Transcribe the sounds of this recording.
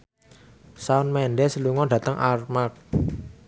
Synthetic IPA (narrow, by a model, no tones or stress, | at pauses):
saʊnmɛnɖɛsəluŋɔɖ̥ä̤t̪əŋʔarmak̚